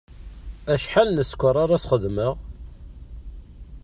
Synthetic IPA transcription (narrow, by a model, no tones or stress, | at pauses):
æʃħalnəskʷəɾˤaɾæsχəðməʁ